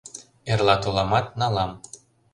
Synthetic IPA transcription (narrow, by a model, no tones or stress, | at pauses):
erlɑt̪olɑmɑt̪nɑlɑm